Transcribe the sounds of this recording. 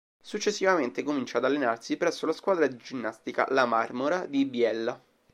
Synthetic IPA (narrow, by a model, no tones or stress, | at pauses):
sut͡ʃːesːivament̪ekomint͡ʃaːd̪alːenarsipɾɛsːolaskwaːd̪ɾad̪id͡ʒinːast̪ika̰lamarmoɾad̪ibjɛlːa